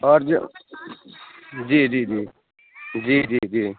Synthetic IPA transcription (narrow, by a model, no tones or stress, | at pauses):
ɔɾd͡ʒ̰ | d͡ʒiːd͡ʒiːd͡ʒiː | d͡ʒiːd͡ʒiːd͡ʒiː